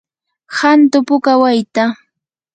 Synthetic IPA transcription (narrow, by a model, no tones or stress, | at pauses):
hant̪ʊpʊkawajt̪a